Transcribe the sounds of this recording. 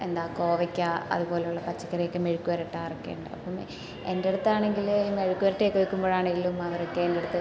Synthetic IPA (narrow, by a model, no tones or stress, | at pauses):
end̪aːko̞ːʋɐkʲːaɐ̰ðupo̞ːleuɭːɐpɐt͡ɕːɐ̥kːɐrejekːɨmeɻukːuʋɐɾɐʈːaːirɐkːḛːuɳɖɨ̰ɐ̰pːom | endeɽut̪ːɐaːɳeŋɡilmeɻukːuʋɐɾɐʈːeːkːoɻikːumbo̞ːɻaːɳe̞ŋɡilumɐʋɐɾokːeːndeɽut̪ːɐ